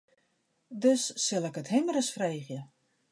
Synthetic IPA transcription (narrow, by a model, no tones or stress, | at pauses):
døsːɪlˠəkətɦɪmərəsfreːɣjə